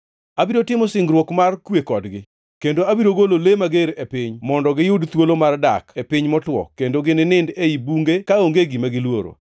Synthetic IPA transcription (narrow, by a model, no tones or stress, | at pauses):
abiɾotɪmɔsɪŋɡɾwokmarkwekɔdɡɪ | kendoabiɾoɡololemaɡeɾepɪɲmɔndɔɡɪjʊdt̪wolomarda̰kepɪɲmɔtwɔ̰kendoɡɪnɪnɪndeibuŋɡekaoŋɡeɡimaɡɪlwoɾo̰